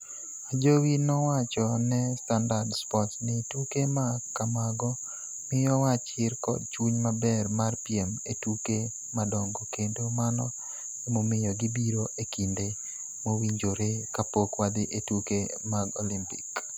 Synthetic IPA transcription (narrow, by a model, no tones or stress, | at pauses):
ad͡ʒowinɔwat͡ʃɔnɛstandardspɔtnɪtukemakamaɡɔ | mɪjɔwat͡ʃɪrkɔ̰d̚t͡ʃuɲmabɛrmarpiemetuke | madɔŋɡɔkedomanɔ | emomɪjɔɡɪbiɾoʔekinde | mowiɲd͡ʒoɾekapokwad̪ɪʔetuke | maɡolimpɪk